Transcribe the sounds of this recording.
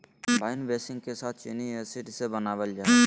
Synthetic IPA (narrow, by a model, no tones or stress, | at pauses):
baɪnbesɪ̃ŋɡkesaːt̪̚ʰt͡ʃeniesiʈsebənaːʋəld͡ʒa